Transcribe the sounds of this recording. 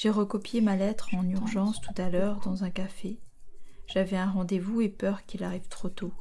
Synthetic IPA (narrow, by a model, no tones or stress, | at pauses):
ʒ̥eʁəkɔpjemalɛt̪χɑ̃nyʁʒɑ̃st̪ut̪alœːʁd̪ɑ̃zɛ̃kafe | ʒ̥avɛɛ̃ʁɑ̃d̪evuepœʁkilaʁiv̥t̪χot̪o